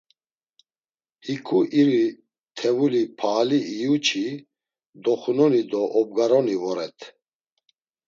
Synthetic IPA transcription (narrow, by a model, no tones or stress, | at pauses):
hikʰuʔiɾi | t̪ʰɛvulipʰaːliːjut͡ʃʰi | d̪ɔχunɔnid̪ɔʔɔb̚ɡaɾɔnivɔɾɛt̪ʰ